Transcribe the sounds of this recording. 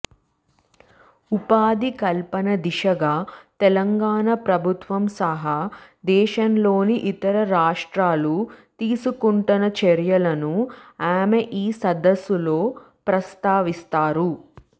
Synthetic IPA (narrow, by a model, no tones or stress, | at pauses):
upaːd̪ikɐlpɐnɐd̪iʃɐɡaːt̪ɛlɐŋɡaːɳɐpɾɐbʱut̪ʋɐmsɐɦaːd̪ɛːʃɐnlo̞ːniʔit̪ɐɾɐɾaːʂʈɾaːlut̪iːsukuɳʈɐnɐt͡ʃɛɾjɐlɐnuaːmeʔiːsɐd̪ɐsːulo̞ː | pɾɐst̪aːʋist̪aːɾu